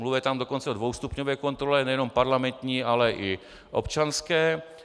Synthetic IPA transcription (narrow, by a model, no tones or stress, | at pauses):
mluvɛt̪amdo̞ko̞nt͡sɛodvo̞wst̪upɲovɛːko̞nt̪ɾolɛnɛjɛno̞mpaɾlamɛnt̪ɲiːʔalɛʔɪ | ʔo̰pt͡ʃanskɛː